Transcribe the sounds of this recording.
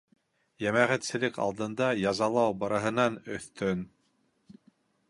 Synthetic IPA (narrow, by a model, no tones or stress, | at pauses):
jæmæʁæt̪sɘ̆lɘkɑ̰lˠd̪ɤ̆nd̪ɑjɑzɑlˠɑwbɑɾɑɦɤ̆nɑnɵ̆θt̪ʰɵn